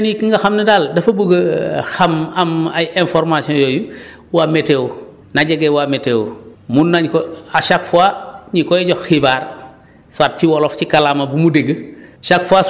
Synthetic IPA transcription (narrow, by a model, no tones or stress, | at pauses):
nikiŋɡɐxamnɐdaldɐfɐbuɡɐxamɐmajenfɔɾmasiɔ̃jɔju | wametew | naɟɐɡewamɛteːwmunːaɲkɔaʃakfuaɲikɔjɟɔxxibaːr | saːt̚ciwɔlɔfcikalamɐbumudeɡəʃakfua